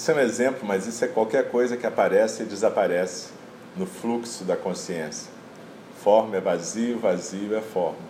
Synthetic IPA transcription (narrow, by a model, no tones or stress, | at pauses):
sʊɛũezẽmplʊmɐzisʊɛkwawkɛɾkojzɐkɪapaɾɛsɪɪd͡ʒɪzapaɾɛsɪ̥ | nʊfluksʊd̪ɐkõsiẽsiɐ | fɔɾmɛvaziʊvaziʊɛfɔɾmɐ